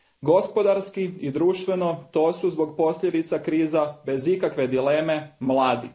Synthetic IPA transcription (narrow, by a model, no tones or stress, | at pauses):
ɡo̞spo̞d̪aɾskiid̪ɾuːʃt̪ʋe̞no̞t̪o̞ːsuzbo̞ɡpo̞sʎʲe̞d̪it̪sakɾiːzabe̞zikakʋe̞d̪ileːme̞mlˠaːd̪ḭ